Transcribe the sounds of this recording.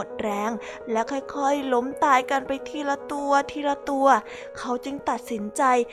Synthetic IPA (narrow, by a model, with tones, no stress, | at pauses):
o˨˩t̪̚ɾɛː˧˥ŋ | lɛ˦˥wkʰaː˧˥˩jkʰɔː˧˩jlo˦˥mt̪aː˧jka˧npa˧jt̪ʰiː˥˩la˧t̪u˧ɐt̪ʰiː˥˧˩la˧˥t̪u˧ɐ | kʰa˦˥wt͡ɕɯ˧ŋt̪a˨˩t̪̚si˩˦nt͡ɕa˧j